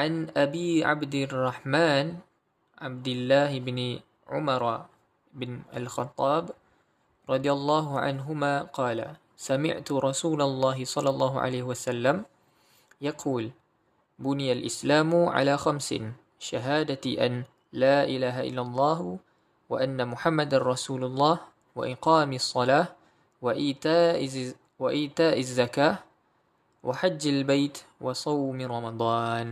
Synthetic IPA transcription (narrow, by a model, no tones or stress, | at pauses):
ʕanʔabiːʕa̰bd̪rˤːɑħmaːn | ʕabd̪ɪlːaːhɪbnɪ | ʕʊ̰mɑɾˤ | ʔɪbnʔa̰lxɑt̪ˤːɑːb | ɾˤɑd̪ˤɨjɑlˤːɑːɦʊʕa̰nɦʊmaːqɑːla̰ | samɪ̰ʕt̪ʊɾˤɑsuːlalˤːɑːɦɪsˤɑlːɑlˤːɑːɦʊʕa̰lajhɪwasalːam | jɑqʰuːl | bʊnɪjalʔɪslaːmʊʕa̰laːxamsɪ̰ | ʃaɦaːd̪aʔan | laːʔɪlaːɦaʔɪ̰lːalˤːɑːh | wa̰ʔanːamʊħamːad̪anɾˤɑsuːlɑlˤːɑːh | wa̰ʔɪqɑːmsˤːɑlaː | wʔ | waʔɪːt̪aːʔɪzːakaː | wʔaħad͡ʒːalbajt̪wɑsˤɑwmɾˤɑmɑd̪ˤɑːn